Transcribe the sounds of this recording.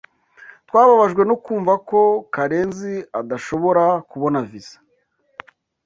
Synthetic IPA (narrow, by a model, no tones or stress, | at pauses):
t̪waːβaβaʒɡwe̞nokuːɱvako̞kaɾe̞ːnziadaʃo̞βo̞ɾakuβo̞navizḁ